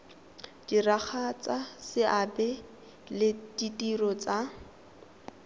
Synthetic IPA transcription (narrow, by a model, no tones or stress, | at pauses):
d̥irak͡xʰat͡sasɪʔabɛ | lɪditʼirɔt͡sa